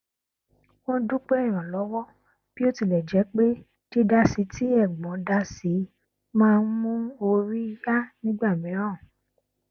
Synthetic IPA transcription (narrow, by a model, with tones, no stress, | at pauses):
wɔ̃˦dũ˦k͡pe˦i˦˨ɾ̃ã˨lɔ˨˦wɔ˦ | b̥i˦o˦ti˨lɛ˨d͡ʒɛ˨˦k͡pe˦ | di˦da˧si˨˦ti˦ɛ˦˨ɡ͡bɔ̃˨˦da˧si˨˦ | mãː˦˧n̩˦mũ˦o˧ɾi˦ja˦nĩ˦ɡ͡ba˦˨mĩ˨˦ɾã˦˨